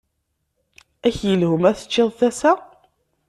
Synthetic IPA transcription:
æçjəlhʊmæθə̥t͡ʃːɪðˤθæsæ

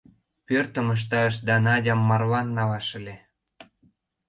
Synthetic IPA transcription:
pørt̪ə̆məʃ̬t̪ɑʃ̬d̪ɑnɑdʲɑmːɑrlɑnːɑlɑʃə̆le

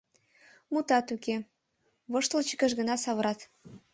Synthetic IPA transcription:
mut̪ɑt̪uke | βɤʃt̪əlt͡ɕə̥kə̆ʃɣə̆nɑsɑβɤ̆ɾɑt̪

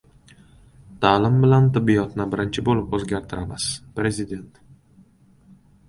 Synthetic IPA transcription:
t̪ʰalɪmbɪlant̪ɪbːijɒt̪nɪbɪɾɪnt͡ʃʰɪbolɪpɵzɡʲaɾt̪ʰɪɾamaspɾe̞zɪd̪e̞nt̪

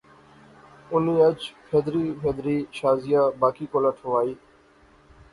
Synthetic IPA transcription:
ʊniːəd͡ʒfʰɛːd̪ɾiːfʰɛːd̪ɾiːʃaːzɪjaːbaːkiːkoːlaːʈʰoʋaːiː

